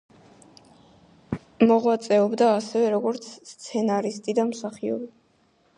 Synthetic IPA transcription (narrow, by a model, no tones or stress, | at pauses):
mɔʁwat̪sʼɛɔbd̪aːsɛvɛɾɔɡɔɾt̪sʰst̪sʰɛnaɾist̪ʼid̪amsaχiɔ̰ɾi